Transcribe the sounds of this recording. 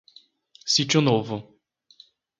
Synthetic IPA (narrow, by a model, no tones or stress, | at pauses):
sit͡ʃʊnovʊ